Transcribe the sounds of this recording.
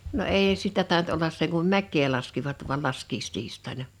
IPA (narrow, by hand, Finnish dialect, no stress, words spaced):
no eˑi sitæ tɑˑint olːɑs seŋ kum mækˑeː lɑskiʋɑt ʋu̞ɑl lɑskiːstiːstˑɑinɑ